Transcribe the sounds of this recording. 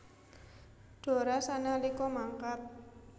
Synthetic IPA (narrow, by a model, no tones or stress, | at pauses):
d̥o̤ɾasanalikɔmaŋkat̪̚